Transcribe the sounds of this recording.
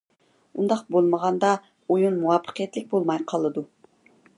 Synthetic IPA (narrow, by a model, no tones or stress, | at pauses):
und̪ɑqbolˠməʁɑnd̪ɑ | ojunmuwɑpʰːə̥qʰijɛt̪lɪk̚ʲbolˠmɑjqʰɑlˠɨd̪u